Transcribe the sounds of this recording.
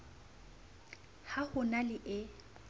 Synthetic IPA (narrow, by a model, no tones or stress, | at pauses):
hahʊnalɪʔɪ